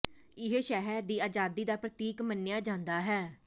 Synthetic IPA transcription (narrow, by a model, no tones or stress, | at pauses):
ɪɦeʃɛːɦɛɾd̪iːaːd͡ʒaːd̪iːd̪aːpɾət̪iːkmənːɪjaːd͡ʒãːnd̪aːɦɛː